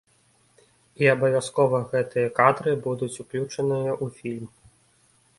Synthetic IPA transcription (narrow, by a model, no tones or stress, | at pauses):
iɐbɐvʲaskɔvɐɣɛt̪ɨjɐkad̪ɾɨbud̪ut͡sʲuklʲut͡ʂɐnɨjɐʔufʲilʲm